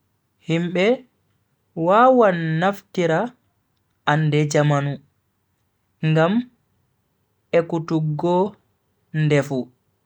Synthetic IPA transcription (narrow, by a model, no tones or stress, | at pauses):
himɓɛ | waːwanːaftiɾa | andɛd͡ʒamanu | ŋɡam | ɛkutuɡːɔ | ndɛfu